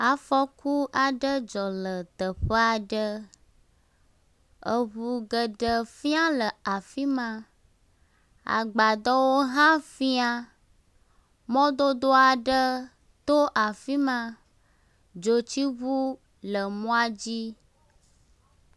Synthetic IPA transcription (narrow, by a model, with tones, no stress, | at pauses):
a˨fɔ˦ku˦a˨ɖə˦d͡ʒɔ˨lə˨t̪ə˨ɸə˦a˨ɖə˦ | ə˦βu˨ɡə˨ɖə˨fi˦a˦lə˨a˨fi˦mã˨ | a̰˨ɡ͡ba˨d̪ɔ˦wo˦ɦã˦fi˦a˦ | mɔ̃˦d̪o˦d̪o˦a˨ɖə˦ | t̪o˦ʔa˨fi˦mã˨ | d͡ʒo˨t͡ɕi˦βu˦ | lə˨mɔ̃˦a˦d͡ʑi˦